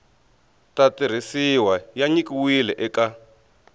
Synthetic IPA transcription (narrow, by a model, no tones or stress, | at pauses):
tatir̤isiwajaɲikiwilɛʔɛka